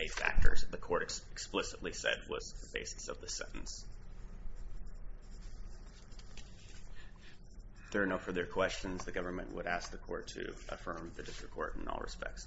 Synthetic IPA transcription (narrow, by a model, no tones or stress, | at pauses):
eɪtfæ̰k̚tʰə̰˞z̥ðɨkʰɔɹɾɨksplɪsətˡlisɛ̰d̚wʌ̰zðəbḛɪsɨ̥sʌvðɨsɛ̰̃nʔn̩s | ðə˞ːnoʊfə˞ðə˞kʰw̥ɛst͡ʃɨ̃nzðɨɡʌvə˞mɨ̰̃nʔwə̰ɾæsk̚ðɨkʰɔɹtʰɨ̰ʔə̰fɜ̃˞mðɨdɪstɹ̥ɨkʰɔ̰ɹɾ̃n̩ɔ̰lˠɹɨ̰spɛ̰k̚ts